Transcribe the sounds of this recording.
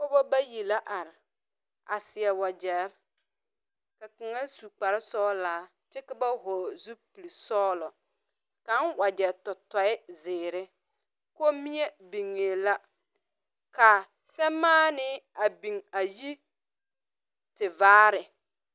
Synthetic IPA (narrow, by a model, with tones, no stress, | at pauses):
kɔ˦bɔ˦ba˦ji˨la˦ʔa˨ɾɪ˨ | a˨sɪ˨ɛ˨wa˨d͡ʒɛ˨˦ɾ | ka˨kɪ˨ŋa˦su˨k͡pa˨ɾɪ˦sɔː˦laː˨˦ | t͡ʃɛ˦kɪ˦ba˦ɦɔː˨zu˦pi˨li˨sɔː˦lɔ˨ | ka˦nwa˨d͡ʒɛ˨ɾtɔ˨tɔ˨ɪ˦zɪː˨ɾɪ˦ | ko˦mi˦e˦bi˨ŋːe˨la˦ | ka˨ | sɛ˦mːaː˦nɪ˦a˨bi˨ŋa˨ji˦ | tɪ˨vaː˦ɾɪ˨